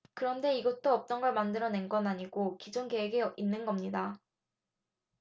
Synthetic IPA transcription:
kɯɾʌnde̞iɡʌt͈oʌp̚t͈ʌnɡʌɭmandɯɾʌne̞nɡʌnaɲiɡokid͡ʑonke̞weɡeinːɯnɡʌmɲida

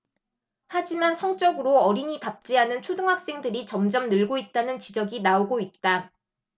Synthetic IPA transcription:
had͡ʑimansʰʌŋt͡ɕ͈ʌɡɯɾoʌɾiɲitap̚t͡ɕ͈iɦanɯnt͡ɕʰodɯŋɦak̚s͈e̞ŋdɯɾit͡ɕʌmd͡ʑʌmnɯɭɡoit̚t͈anɯnt͡ɕid͡ʑʌɡinaoɡoit̚t͈a

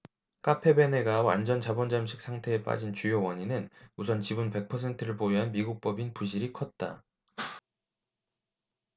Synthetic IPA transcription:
k͈apʰe̞bene̞ɡawa̰nd͡ʑʌnt͡ɕabʌnd͡ʑamɕʰi̥k̚s͈ʰaŋtʰe̞ːp͈a̰d͡ʑint͡ɕujowʌɲinɯnusʰʌnt͡ɕibunpe̞k̚pʰʌs̬ʰe̞ntʰɯɾɯɭpoiɦanmiɡuk̚p͈ʌbinpuɕ̬ʰiɾikʰʌt̚t͈a̰

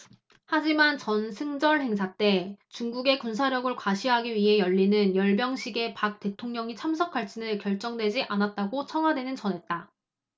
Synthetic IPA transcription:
had͡ʑimant͡ɕʌnsʰɯŋd͡ʑʌɭhe̞ŋsʰat͈e̞t͡ɕuŋɡuɡe̞kunsʰaɾjʌɡɯɭkwaɕʰiɦaɡiɥiɦe̞jʌʎːinɯnjʌɭbjʌŋɕʰiɡe̞pak̚t͈e̞tʰoŋɲʌŋit͡ɕʰamsʰʌkʰaɭt͡ɕ͈ʰinɯɭkjʌɭt͡ɕ͈ʌŋdwe̞d͡ʑiʔanat̚t͈aɡot͡ɕʰʌŋwadwe̞nɯnt͡ɕʌnɦe̞t̚t͈a

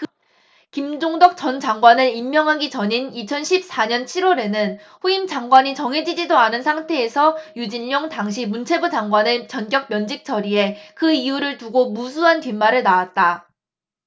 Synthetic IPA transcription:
kimd͡ʑoŋdʌk̚t͡ɕʌnd͡ʑaŋɡwanɯɾimːjʌŋɦaɡit͡ɕʌɲinit͡ɕʰʌnɕʰip̚s͈aɲʌnt͡ɕʰiɾwʌɾe̞nɯn | ɸuimd͡ʑaŋɡwaɲit͡ɕʌŋɦe̞d͡ʑid͡ʑidoanɯnsʰaŋtʰe̞ːsʰʌjud͡ʑinːoŋtaŋɕ̬ʰimunt͡ɕʰe̞bud͡ʑaŋɡwanet͡ɕʌnkjʌk̚mjʌnd͡ʑik̚t͡ɕʰʌɾie̞kɯijuɾɯɭtuɡomusʰuɦantimːaɾɯɭnawat̚t͈a

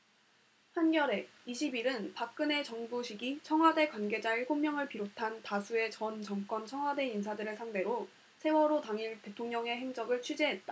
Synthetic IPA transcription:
pʰanɡjʌɾe̞ | iɕʰibiɾɯnpak̚k͈ɯne̞t͡ɕʌŋbuɕʰiɡit͡ɕʰʌŋɦwade̞kwanɡe̞d͡ʑaeɸomːjʌŋɯɭpiɾotʰantasʰue̞t͡ɕʌnt͡ɕʌŋk͈ʌnt͡ɕʰʌŋɦwade̞ins̬ʰadɯɾɯɭsʰaŋde̞ɾo | sʰe̞wʌɾotaŋiɭte̞tʰoŋɲʌŋe̞ɦe̞ŋd͡ʑʌɡɯɭt͡ɕʰud͡ʑeɦe̞t̚t͈a

